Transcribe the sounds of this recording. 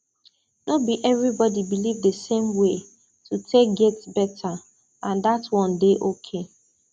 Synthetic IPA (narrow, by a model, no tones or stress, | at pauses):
nobiʔɛvɾibɔdibilivdesẽmwe | tutʰek̚ɡɛtsbɛtʰa | ãndatwɔ̃ndeʔokʰe